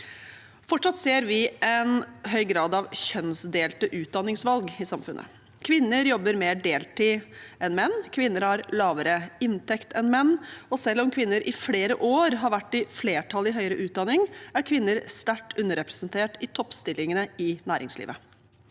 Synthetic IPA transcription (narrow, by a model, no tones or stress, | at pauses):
fɔʈʂɑt̪seːɾʋɪʔɛnɦœʏɡɾɑːd̪ɑʋɕœnsd̪eːlt̪əʔʉːt̪̚d̪ɑnːɪŋsʋɑlɡɪsɑmfʉnʔə̰ | kʰʋɪnːəɾjɔbːəɾmeːɖeːlʈ̪iːɛnmɛnːkʰʋɪnːəɾhɑɾlɑːʋəɾəɪnt̪ɛkt̪ʰɛnmɛnːɔsɛlːɔmkʰʋɪnːəɾʔɪfleːɾəʔoːɾɦɑɾʋæʈːɪfleːʈʰɑlɪɦœʏəɾəʔʉːt̪̚d̪ɑnɪŋæɾkʰʋɪnːəɾst̪æʈːʉnːəɾɛpɾɛsənt̪ʰeːʈɪt̪ʰɔpːst̪ɪlːɪŋənəɪnæːɾɪ̰ŋslḭːʋə